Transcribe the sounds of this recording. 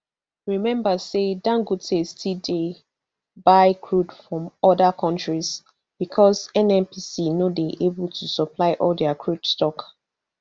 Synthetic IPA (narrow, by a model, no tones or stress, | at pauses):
ɹimɛ̃mbasedãŋɡutʰestʰide | baɪkʰɹudfɹɔ̃mɔdakʰɔ̃ntɹiz | b̥ikʰɔzɛ̃nɛ̃npisinodeʔebul̩tʰusɔpʰlaɪʔɔldɛakʰɹud̥stɔk